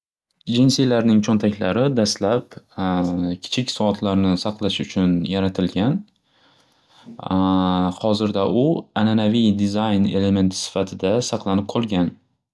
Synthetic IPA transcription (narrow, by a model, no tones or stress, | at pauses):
d͡ʒinsijlaɾnɪŋt͡ʃʰont̪ʰakʲlaɾɪd̪ast̪lap | kʲʰɪ̥t͡ʃʰɪkʲsɒɒt̪ʰlaɾnɪsɑqlˠaʃʊt͡ʃʰʊnjaɾat̪ʰɪlɡʲan | hɒzɪɾd̪aʔʊananavijd̪ɪzajne̞le̞me̞nt̪ʰsɪ̥fat̪ʰɪd̪asɑqlˠanɪp̚qʰɒlˠɡʲan